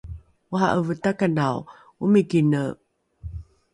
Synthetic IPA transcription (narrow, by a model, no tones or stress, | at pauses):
woɦa̰ʔəvət̪akanaw | umikinə